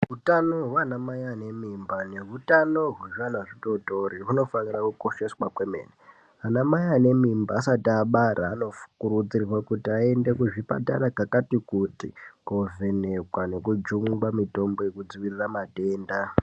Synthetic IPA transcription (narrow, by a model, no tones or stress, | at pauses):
ɦutanoɦwanamajane̞mimbane̞ɦutano̞ɦuʐanaʐito̞to̞riɦuno̞fanirakuko̞ʃe̞swakwemḛːne | anamajane̞mimbaːsatiaɓaɾʔaːno̞fukurud͡zirwakutiae̞nde̞kuʐipa̰ta̰rakakatikutikovene̞kwane̞kud͡ʒuŋɡwamito̞mbo̞jekud͡ziʋiriramate̞ːnda